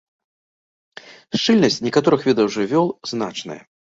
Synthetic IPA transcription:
ʂt͡ʂɨlʲnɐsʲt͡sʲnʲɛkat̪ɔɾɨxvʲɛd̪ɐwʐɨvʲɔlˠznat͡ʂnɐ̰jɐ̰

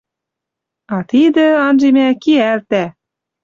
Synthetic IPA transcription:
ɑt̪id̪ə̆ɑnʒemækiælt̪æ

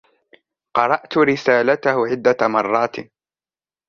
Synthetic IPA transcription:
qɑɾˤɑʔt̪ʊɾɪsaːlat̪ahʊʕɪd̪ːamɑrˤːɑːt̪

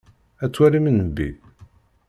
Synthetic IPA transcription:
æt͡sːwæɾimənəmbḭ

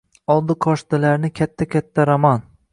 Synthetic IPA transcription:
ɒlˠd̪ɨqʰɒʃt̪ɪlaɾnɪkʲʰat̪ʰːakʲat̪ʰːaɾamɒn

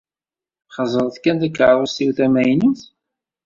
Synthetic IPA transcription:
χəzˤəɾˤθkænd̪ækːʕɾˤɑsiwθæmæjniθ

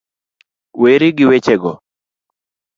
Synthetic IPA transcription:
weɾɪɡɪwet͡ʃeɡɔ

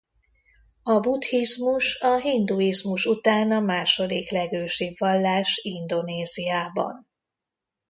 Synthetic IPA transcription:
ɒbut̪hizmuʃɒɦind̪uizmuʃut̪aːnɒmaːʃo̞d̪iklɛɡøːʃibvɒlːaːʃind̪o̞neːzijaːbɒ̰n

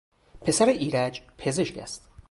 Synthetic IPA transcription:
pʰe̞sæɾeʔiːɾæd͡ʒpʰe̞ze̞ʃcʰæ̰st̪

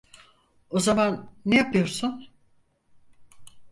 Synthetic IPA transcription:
o̞zamanːejapʰɯjo̞ɾsun

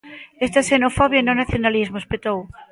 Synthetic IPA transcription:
est̪asenofɔβjainonaθjonalizmoespet̪ow

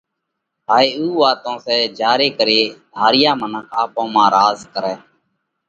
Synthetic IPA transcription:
ɦaːeːuːʋaːt̪õːsɛːd͡ʒaːɾeːkəɾeːd̪ʱaːɾɪjaːmənəkʰaːpõːmãːɾaːzkəɾɛː

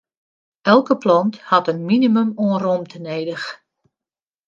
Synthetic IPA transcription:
ɛlˠkəplɔnthɑtənminimymoənromtʰəneːdəx

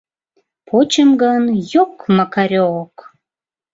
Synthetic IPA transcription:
pʰot͡ɕəmɡənjokmɑkɑɾʲook

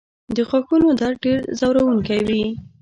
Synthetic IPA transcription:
d̪əxaxunod̪aɾɖeɾzawɾawuŋkajwi

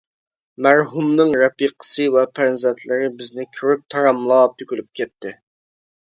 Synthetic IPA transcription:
mæɾɦumnɨŋɾɛpiqʰə̥sɨwɛpʰæɾnzɛnt̪ʰlɪɾɪbɪznɪkʲʰyɾyk̚t̪ʰɑɾɑmlˠɑt̪ʰykʲylyp̚kʲʰɛt̪ʰːɪ

